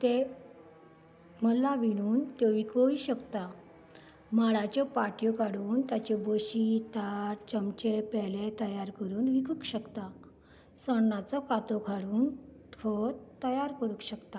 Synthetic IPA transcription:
t̪e | məlaʋiɽ̃uːnt̪eʋikʰəʋiɕəkt̪a | maɽat͡ɕɔpaʈjɔkaɽuːnt̪jat͡ɕeboɕit̪aɾt͡ɕəmt͡ɕepɛlet̪əjaɾkəɾuːnʋikʰukɕəkt̪a | səɳːat͡sɔkat̪okʰaɽuːnkʰɔt̪ːəjaɾkəɾukɕəkt̪a

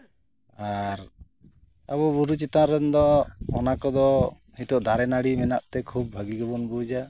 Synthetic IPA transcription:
aɾ | aβɔbuɾut͡ʃit̪ãɾɛnd̪ɔɔnakɔd̪ɔ | hit̪ɔʔd̪ʱaɾɛnaɽimɛnaʔt̪ɛkʰub̚bʱəɡiɡɔbɔnbud͡ʒa

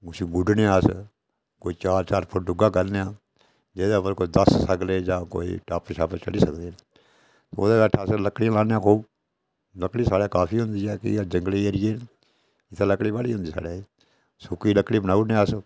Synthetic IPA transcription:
ɡʊsiɡʊɖneːaːs | koːiːt͡ʃaːɾt͡ʃaːɾpʰəɾɖʊɡaːkəɾnejãː | d͡ʒeːd̪aːpəɾkoːid̪əssəkleːd͡ʒãːko̰ːḭːʈaːpʃaːpət͡ʃə̰liːsəkd̪eː | t̪oo̰ːd̪aːbɛːʈʰːaːsləkːɽɪjãlaːnjãːkʰuːb | ləkːɽiːsaːɽeːkaːpʰiːɦʊ̃nd̪iːɦɛːkɪ̰d͡ʒə̃ŋɡliːeɾɪjeː | ɪt̪ʰaːləkɽiːbaːɽiːɦʊ̃nd̪iːsa̰ːɽeː | sʊkiːləkːɽiːbənaːuneːas

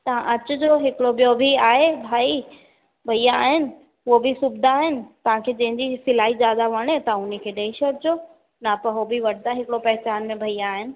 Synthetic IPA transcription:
t̪ɐʋ̤ãʔɐt͡ɕʊ̆d͡ʑoːɦɪkɪɽobijobʱiaːɦebʱaːi | bʱɐijaːɦɪnɪ̆ | ʊobʱɪsʊbd̪ʱaaːɦɪnɪ̆t̪ɐʋ̤ãkʰeːd͡ʑɐ̃ɦɪ̃ɲd͡ʑisɪlaːɦizjaːd̪aʋɐɽ̃et̪ɐaʊnikʰeːɗeːiʃəɾd͡ʑoː | napɐɦobʱiʋɐʈʰd̪aɦɪkɪɽopɐɦɪt͡ɕaːnmẽbʱɐiaːɦɪnɪ̆

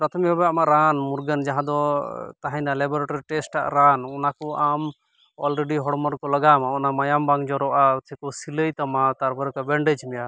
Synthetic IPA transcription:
pɾat̪ʰɔmɛbabɛamaʔɾanmuɾɡənd͡ʒaɦãd̪ɔt̪aɦajnalɛbɔɾeʈɔɾiʈɛsʈʈa̰ʔɾanɔnakɔʔam | ɔlɾeɖiɦɔɽmaɾkɔləɡamaɔnamajambaŋd͡ʒɔɾɔʔat̪ʰɛkɔsiləjt̪amat̪aɾbaɾkabɛɳɖed͡ʒmɛja

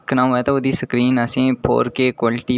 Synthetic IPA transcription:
kʰnãːɦoɛːt̪ood̪isəkɾiːnasẽːpʰo̰ːɾkeːkwaːlʈiː

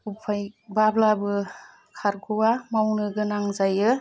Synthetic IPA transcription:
upʰajbablabɯ | kʰaɾɡʰɯwamawnɯɡɯnaŋzajɯ

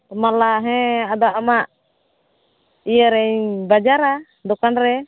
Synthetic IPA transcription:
t̪ɔmalaɦɛ̃ad̪aʔamaʔ | ijəɾɛɲbad͡ʒaɾa | d̪ɔkanɾɛ

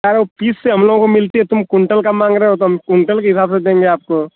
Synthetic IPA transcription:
aɾeɦopiːsːeɦɐmloːɡõkomɪlt̪eɦɛt̪ʊmkʊɳʈəlkamãːŋɡɾeɦːɦot̪oɦɐmkʊɳʈəlkeɦɪsaːbsed̪ẽːŋɡeaːp̚ko

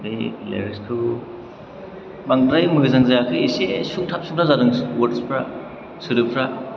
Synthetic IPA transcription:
dajlḛɾiskʰɯ | baŋɾajmɯɡɯzaŋzakʰɯjisesuŋtʰap̚suŋtʰazaɾɯŋwaɾspʰɾa | suɾɯpʰɾa

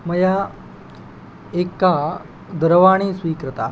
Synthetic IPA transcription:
məja | ekːa | d̪ʱəɾʋaɽ̃iːsʋiːkɾət̪a̰

